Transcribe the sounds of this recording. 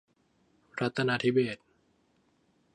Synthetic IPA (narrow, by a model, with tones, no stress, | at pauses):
ɾa˦˥t̪ʰːa˧naː˧t̪ʰi˦˥beː˨˩t̪̚